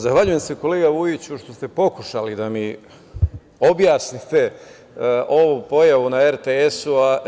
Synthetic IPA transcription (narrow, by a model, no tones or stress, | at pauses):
zaxʋaʎuje̞mse̞ko̞le̞ːɡaʋujit͡ɕuʃt̪o̞st̪e̞po̞kuʃalid̪ami | o̞bjaːsnit̪e̞ | ʔo̞ʋupo̞jaʋunaeɾt̪eesua